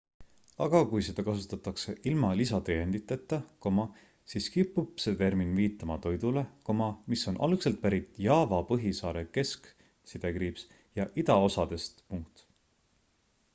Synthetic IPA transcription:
ɑ̰ɡ̥ɑkujse̞d̪ɑkɑsut̪ːˑɑt̪ːˑɑkse̞ʔilmɑlisɑt̪ejend̪̥it̪ːˑet̪ˑːɑko̞mɑ | siːskipːˑubset̪e̞rminviːt̪ːˑɑmɑt̪o̞jd̪ule̞ko̞mɑmiso̞nʔɑ̰lkselt̪̚pæɾit̪ˑjɑːvɑpɤɦisɑːɾe̞ke̞sk | sid̪̥e̞kriːps | jɑʔid̪̥ɑo̞sɑd̪̥e̞st̪puŋkt̪

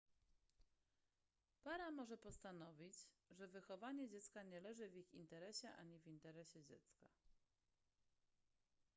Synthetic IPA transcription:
paɾamɔʐɛpɔst̪anɔvʲid͡ʑʐɛvɘxɔvaɲɛd͡ʑɛt̪skaɲɛlɛʐɘvʲixint̪ɛɾɛɕɛʔa̰ɲivʲint̪ɛɾɛɕɛd͡ʑɛt̪ska

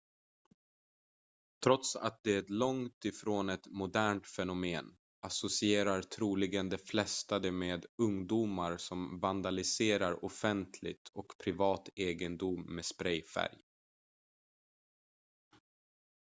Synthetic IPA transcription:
t̪ʰɾɔt̪sa̰t̪̚d̪ɛɛt̪lɔŋt̪ɪfɾoːnɛt̪mʊd̪æːɳʈ̪fɛnʊmeːn | asʊsɪeːɾaɾt̪ʰɾuːlɪɡənd̪ɛflɛst̪ad̪ɛmeːd̪ɵŋd̪uːmaɾsɔmvand̪alɪseːɾaɾʊfɛnt̪ʰlɪ̰ɡt̪ʰɔkpʰɾɪvɑːt̪eːɡənd̪ʊmːɛspɾɛjfæ̰ɾj

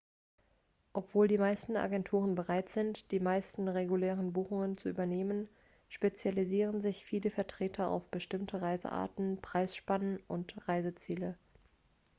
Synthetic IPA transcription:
ʔɔpv̥oːldiːmaɪstn̩ʔa̰ɡɛntʰuːʁ̞ənbəʁaɪtz̥ɪntd̥iːmaɪstn̩ʁeɡuleːʁənbuːxʊŋənt͡suʔy̰ːbɐneːmən | ʃpet͡sjaliziːʁənzɪçfiːləfɛɐtʁ̥eːtʰɐa̰ʊfb̥əʃtɪmtʰəʁaɪzə̰ʔa̰ːɐtn̩pʁ̥aɪsʃpanənʔʊntʁaɪzət͡siːlə

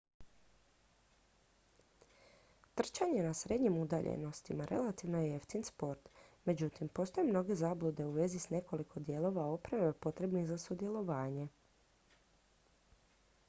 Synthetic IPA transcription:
t̪r̩t͡ʃaɲe̞nasɾe̞d̪ɲimud̪aʎʔḛno̞st̪imaɾʔe̞̰lat̪iʋnojeeft̪inspo̞ɾt̪me̞d͡ʑut̪impost̪o̞jemno̞ɡe̞zaːblˠud̪e̞uʋe̞zisne̞ko̞likʰo̞d̪je̞lˠo̞ʋao̞pɾaʋepo̞t̪ɾe̞bniɣzasud̪je̞lˠo̞ʋaːɲe̞

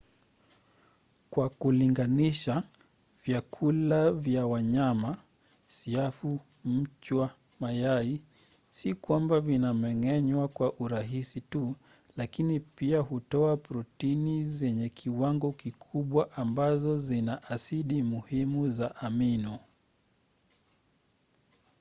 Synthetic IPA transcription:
kwakuliŋɡaniʃa | vjakʰulavjawaɲama | siafu | m̩t͡ʃwa | majai | sikwambavinamɛŋɛɲwakwaʔuɾaɦisitu | lakinipiaɦutɔapɾɔtinizɛɲɛkʰiwaŋɡɔkikʰuɓwaʔambazɔzinaʔasiɗimuhimuzaʔaminu

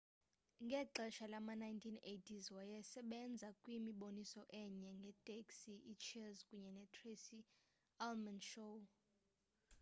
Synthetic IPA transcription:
ŋɡʱɛǁɛʃalamanajntʰinetʰizwajɛsɛɓɛnd͡zʱakʼwimiɓonisɔʔɛɲɛŋɡʱɛtʼeksiʔit͡ʃʰɛzkʼuɲɛnɛtʰresi | almanʃo

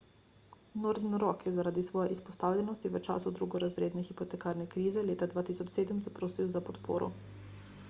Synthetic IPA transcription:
nɔɾd̪nɾɔkjɛzaɾaːd̪isʋɔːjɛʔispɔst̪aːwlʲɛnɔst̪iʋət͡ʃa̰ːsud̪ɾuɡɔɾazɾeːd̪nɛxipɔt̪ɛkaːɾnɛkɾiːzɛleːt̪ad̪ʋaːt̪iːsɔt͡ʃseːd̪əmsapɾoːsiwzapɔt̪po̰ːɾɔ̰

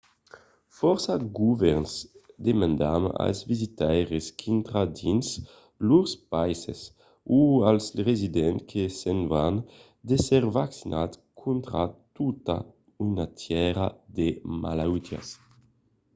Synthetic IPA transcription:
fɔɾsaɡuvɛɾnsd̪emãnd̪ama̰lzvizit̪ajʁeskʰint̪ɾad̪ins | luʁspajses | ualsʁezid̪ɛnt̪kʰesenvan | d̪esɛɾvaksinʔat̪kʰunt̪ɾat̪ut̪a̰ | ynat̪ʰjɛɾad̪ema̰lawt̪ja̰s

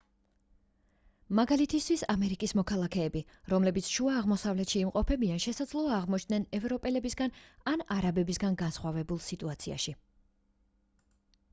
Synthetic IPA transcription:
maɡalit̪ʰist̪ʰwisamɛɾikʼismɔkʰalˠakʰɛːbi | ɾɔmlɛbit̪sʰʃuaːʁmɔsavlɛt̪ʃiːmqʼɔpʰɛbianʃɛsad̪zlˠɔaːʁmɔt͡ʃʰd̪nɛnɛvɾɔpʼɛlɛbisɡananaɾabɛbisɡanɡansχwavɛbulˠsit̪ʼuat̪sʰia̰ʃi

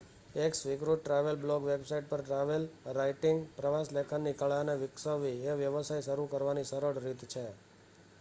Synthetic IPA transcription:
eksʋɪkɾuʈːɾaʋəlblɔɡʋebsaiʈ̚pəɾʈɾaʋelɾaiʈɪŋɡpɾəʋaslekʰanːikəɭaneʋɪksəʋːieʋjəʋəsajʃəɾukəɾʋaniʃəɾəɽɾit̪t͡ʃʰe

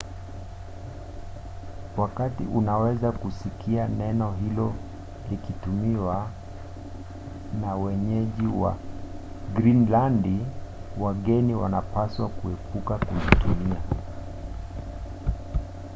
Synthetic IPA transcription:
wakatḭʔunawɛzakusikʰianɛnɔɦilɔ | likitumiwa | nawɛɲɛʄiwa̰ | ɡɾinlandiwaɠɛniwa̰napaswakuɛpukakulitumia

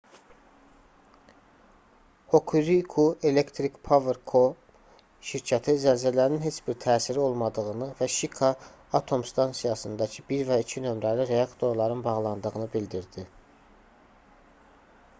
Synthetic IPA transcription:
ho̞kʰuɾikʰuʔe̞lekt̪ʰɾikpʰoveɾkʰo | ʃiɾcʰæt̪ʰizælzælæɾninɦe̞t͡ʃb̥iɾt̪ʰæːsiɾio̞lˠmɑd̪ɯɣɯnɯvæʃikʰɑː | t̪ʰo̞mst̪ɑnsijɑsɯnd̪ɑcʰɯbiɾvæicʰinø̞mɾæliɾe̞ɑkt̪ʰo̞ɾlˠɑɾɯnbɑʁlˠɑnd̪ɯɣɯnɯbild̪iɾd̪i

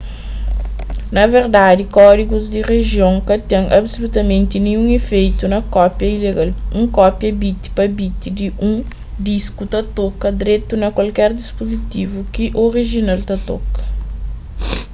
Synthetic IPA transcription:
nɐveɾd̪ad̪ikɔd̪iɡuzd̪ireʒjõŋkɐt̪ɛ̃ŋʔɐbsolut̪ɐmẽnt̪inĩũŋefejt̪unɐkɔpjɐileɡalũŋkɔpjɐbit̪i̥pɐbit̪id̪iʔũŋ | d̪iskut̪ɐt̪okɐd̪ɾet̪unɐkwɐlkɛɾd̪ispozit̪ivukiʔoriʒinalt̪ɐt̪okɐ̥

